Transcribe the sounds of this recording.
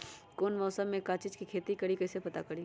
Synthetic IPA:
koːnmɔːsəmːẽkaːt͡ʃid͡ʒkikʰeːt̪ikɐɽikɐɪsepɐt̪a̰kɐɽi

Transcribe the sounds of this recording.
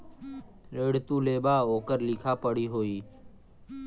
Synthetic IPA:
ɾeːɽt̪uːleːbaːoːkəɾlɪkʰaːpəɽiːɦoːiː

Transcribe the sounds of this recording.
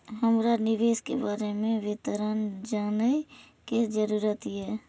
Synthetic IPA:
ɦəmɾanɪʋeːskḛbaːɾemẽʋɪt̪əɾənd͡ʒaːnə | ked͡ʒəɾuːɾət̪iɛː

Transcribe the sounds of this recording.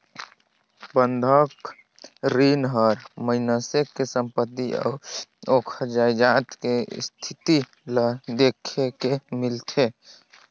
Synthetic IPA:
bənd̪ʱək | ɾinɦəɾməɪnəsekːesəmpət̪ːiɔ̰ːɾoːkʰəd͡ʒaːjd͡ʒaːt̪kḛst̪ʰɪt̪i | ləd̪eːkʰekemɪlt̪ʰe

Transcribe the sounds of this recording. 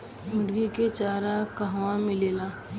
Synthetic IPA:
mʊɾɡiket͡ʃaːɾakəɦʋãmɪleːla

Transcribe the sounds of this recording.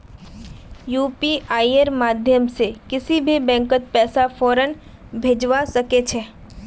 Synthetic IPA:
juːpiʔaːiəɾmaːd̪ʱjəmsekɪsibʱibɛ̃ːŋkət̪̚pɛːsafɔːɾən | bʱeːd͡ʒʋasɐket͡ʃʰɛː

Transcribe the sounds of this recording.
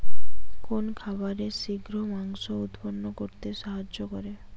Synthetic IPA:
konkʰabaɾeʃiɡɾomaŋʃoud̪ponːokoɾt̪eʃaɦad͡ʒːokɔɾe

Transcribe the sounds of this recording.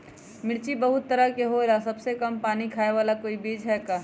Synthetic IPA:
mɪɽt͡ʃibɐɦʊt̪ːəɾəkeɦoɾasɐbsekɐmpaːnikʰaːeʋaːlakoːibiːd͡ʒɦɛːkaː

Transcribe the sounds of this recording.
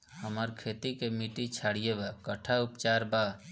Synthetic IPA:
həməɾkʰet̪ikemiʈit͡ʃʰaɽijebakəʈʰaupt͡ʃaɾba

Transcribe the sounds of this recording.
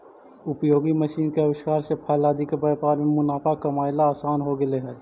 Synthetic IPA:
ʊpjoːɡimɐʃiːnkeɐʋɪʃkaːɾsepʰaːjlaːd̪ikebɐɾpaːɾmẽmʊnaːfakɐmaːɪlaːsaːnɦoɡɪleɦɛː

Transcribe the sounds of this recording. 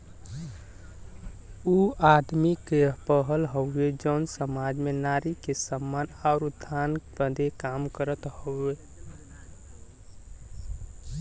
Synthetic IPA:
uad̪mikepəɦəlɦoʊed͡ʒəʊnsəmad͡ʒmenaɾikesəmːanaʊɾud̪ʱanbəd̪ʱekamkəɾət̪hoe

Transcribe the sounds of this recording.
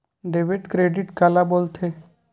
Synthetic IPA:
ɖeʋeʈkɾeɖɪʈkalabolt̪ʰe

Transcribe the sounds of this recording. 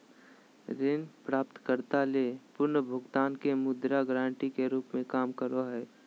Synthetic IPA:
ɾɪnpɾaːp̚t̪kəɾt̪aleːpʊɾnəbʱʊɡt̪aːnkemʊd̪ɾaɡɾãːɳʈikeɾuːpmẽkaːmkəɾoɦɛː

